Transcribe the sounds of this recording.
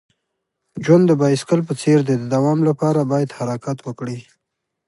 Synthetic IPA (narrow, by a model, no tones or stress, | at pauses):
d͡ʒwand̪ːəbɑjɪskəlp̬ət͡seɾd̪ed̪əd̪awɑmlapɑɾabɑjad̪haɾakat̪wəkɽi